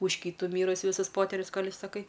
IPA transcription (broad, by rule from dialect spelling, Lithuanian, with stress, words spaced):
ʊʃ ˈkʲiːtʊ ˈmʲiːrʊsʲɪ ˈʋʲɪsʊs ˈpoːtʲɛrʲʊs ˈkoːlʲ ɪʃsɐˈkɐɪ